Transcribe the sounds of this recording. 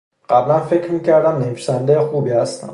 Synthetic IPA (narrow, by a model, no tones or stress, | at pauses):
ɢ̥æblænfecɾmiːcʰæɾd̪æmneviːsænd̪ejexuːbiːhæst̪æ̰m